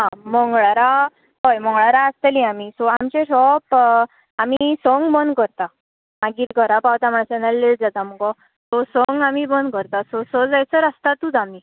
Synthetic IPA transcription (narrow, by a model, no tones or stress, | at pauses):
ɦãmɔŋɡɭaɾa | ɦɔjmɔŋɡɭaɾaəst̪eliamisɔamt͡ɕẽɕɔp | amisɔŋɡbənkəɾt̪a | maɡiːt̪ɡəɾapawt̪am̤əɳasɛnalleʈd͡zat̪amɔkɔ | sɔsɔŋɡamibənkəɾt̪asɔsɔd͡zajt͡səɾast̪at̪uːd̪ami